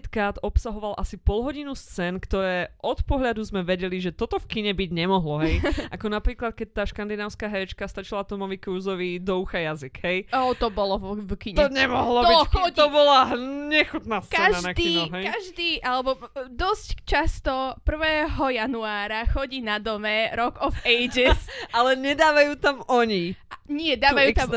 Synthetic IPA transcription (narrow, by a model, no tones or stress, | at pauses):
t̪kɾaːd̪ɔpsaɦɔʋalʔasipɔlɦɔɟinust͡sɛːnkt̪ɔɾɛːʔɔt̪pɔɦʎad̪uzmɛʋɛɟɛliʒɛt̪ɔt̪ɔfkiɲɛbiɟɲɛmɔɦlɔɦɛjʔakɔnapɾiːklat̪̚kɛc̚t̪aːʃkand̪inaːʊskaːɦɛɾɛt͡ʃkast̪at͡ʃilat̪ɔmɔʋikɾuːzɔʋid̪ɔuxajaziɡ̥ɦɛjɔt̪ɔbɔlɔkiɲt̪ɔɲɛmɔɦlɔbiɔt̪ɔbɔlaɲɛxut̪naːskaɛʒanak̪iːɔɦɛjkaʒd̪iːʔalɛbɔd̪ɔsct͡ʃast̪ɔpr̩ʋɛːɦɔjanuaːɾaxɔɟiːnad̪ɔmɛɾɔɡɔfɛjd͡ʒɛsalɛɲɛd̪aːʋajuːt̪amɔɲiaɲɪɛd̪aːʋajut̪am